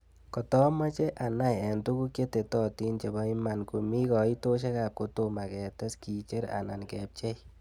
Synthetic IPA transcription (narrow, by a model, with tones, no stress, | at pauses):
kɔ˨tɔ˦ma˦t͡ʃe˦ʔa˨na˦jɛ˨ntu˦ku˦kje˦te˨tɔ˦ti˦nt͡ʃe˨ba˦ima˨nku˨mi˦kɔ˨i˦to˦ʃ̬e˦ka˨p̚ko˨to˨ma˨kɛ˨te˦ski˨t͡ʃe˦ɾa̰˨na˨nkɛ˨p̚t͡ʃe˦j